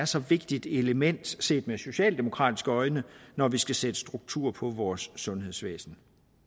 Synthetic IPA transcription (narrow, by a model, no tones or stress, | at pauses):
æɐsɒ̽ʋe̝ɡ̥d̥id̥e̝ləmen̰d̥se̝̰ːd̥meso̝ɕɛ̰ːld̥e̝mo̝kʰʁɑ̰̈ːd̥i̥sɡ̥əɒ̽ɪnənɒʋisɡ̥æsed̥ə̥sd̥ʁuɡ̥̚t͡sʰṵɐpʰɒ̽ʋɒːsːɔ̽nɦe̝ðˠsʋḛːsn̩